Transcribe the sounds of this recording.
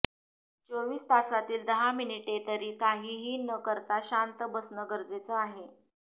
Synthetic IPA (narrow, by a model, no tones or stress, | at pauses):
t͡soʋiːst̪asat̪iːld̪əɦaminiʈet̪əɾiːkaɦiːɦiːnəkəɾt̪aɕant̪əbəsnəɡəɾd͡zet͡səaɦe